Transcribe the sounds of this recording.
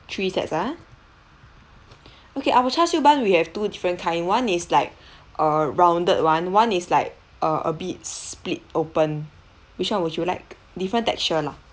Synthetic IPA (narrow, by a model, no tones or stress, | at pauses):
tʰɹisɛ̰tsa | okeʔawət͡ʃʰasjubãnwihɛv̥tudifɹə̃nkʰãɪ̃nwãnislaɪk̚ʔəɹãw̃ndət̚wãnwãnislaɪk̚ | ʔəʔə̰bit̚split̚opə̃n | wit͡ʃwãnwɔt͡ʃulaɪk̚ | difɹə̃ntɛ̰k̚t͡ʃəla